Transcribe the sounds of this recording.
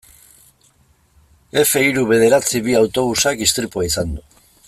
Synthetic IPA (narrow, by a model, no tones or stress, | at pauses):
e̞fe̞iɾuβe̞ð̞e̞ɾat͡siβiawt̪o̞β̞usakist̪ɾipuaisand̪u